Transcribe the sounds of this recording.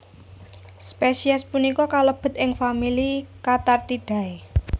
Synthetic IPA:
spesiaspunikɔkaləb̥ə̤t̪̚ʔɪŋfamilikat̪art̪iɖ̥ä̤e

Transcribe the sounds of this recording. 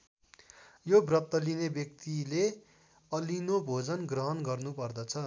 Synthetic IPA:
jobrʌt̪ːʌlinebjʌk̚t̪ile | ʌlinobʱod͡zʌnɡrʌɦʌnɡʌrnupʌrd̪ʌt͡sʰʌ

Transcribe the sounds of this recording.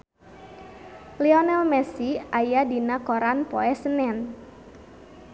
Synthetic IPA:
lɛɔnɛlmɛsiajadinakoɾanpoɛsənɛn

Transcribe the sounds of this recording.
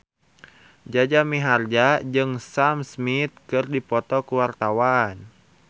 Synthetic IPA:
d͡ʒad͡ʒamiɦard͡ʒad͡ʒɨŋsamsmit̪̚kɨrdipɔt̪ɔkuwart̪awan

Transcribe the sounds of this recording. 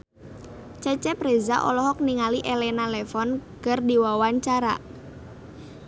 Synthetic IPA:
t͡ʃɛt͡ʃɛpɾeza̰ʔɔ̰lɔɦɔk̚niŋaliʔelɛnalɛfɔnkərdiwawaɲt͡ʃaɾa̰

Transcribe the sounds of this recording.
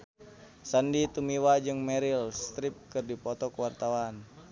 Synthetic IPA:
sandit̪umiwad͡ʒɨŋmɛɾilst̪ɾip̚kɨrdipɔt̪ɔkəwart̪awan

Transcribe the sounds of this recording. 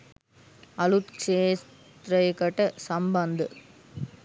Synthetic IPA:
ɐlut̪t͡ʃeːs | t̪ɾɐɪkɐʈːɐsɐmbɐnd̪ɯ

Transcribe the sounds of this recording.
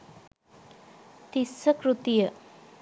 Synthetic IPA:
t̪isəkɾut̪ijə

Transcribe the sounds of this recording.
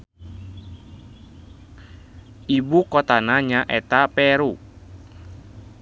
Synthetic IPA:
ibukɔt̪anaɲaʔɛt̪apɛɾu

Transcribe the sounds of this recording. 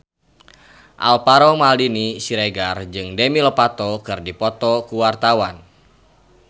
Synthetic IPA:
ʔa̰lpaɾɔmaldinisiɾeɡard͡ʒɨŋdemilɔpat̪ɔkɨrdipɔt̪ɔkuwart̪awan

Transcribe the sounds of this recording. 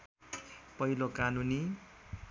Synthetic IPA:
pʌɦilokanuni

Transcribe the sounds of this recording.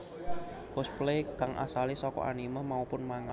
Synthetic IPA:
kʊsplekaŋʔa̰salisɔkɔ̰ʔa̰niməmaupʊnmaŋa

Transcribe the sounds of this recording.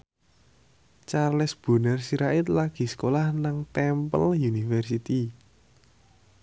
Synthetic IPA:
t͡ʃarlɪsb̥ṳnərsiɾaɪt̪̚laɡ̥i̤sə̥kolahnaŋt̪ɛmpə̰ljunifɛrsit̪i

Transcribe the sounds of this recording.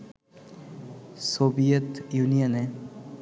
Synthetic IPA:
sobijət̪junijone

